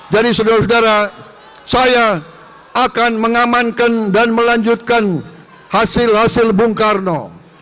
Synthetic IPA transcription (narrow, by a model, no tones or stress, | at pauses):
d͡ʒadisodaɾas̬odaɾa | saja | akanməŋamankandanməlaɲd͡ʒut̪̚kan | hasɪlhasɪlbuŋkarno